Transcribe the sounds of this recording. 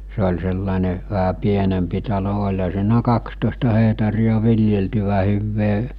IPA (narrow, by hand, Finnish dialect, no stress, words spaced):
se olʲ selːɑˑene ʋæɦæ pienempi tɑlo olʲhɑ siːnæ kɑkstoˑestɑ hehtɑrijɑ ʋiljeltyʋæ hyːʋːeː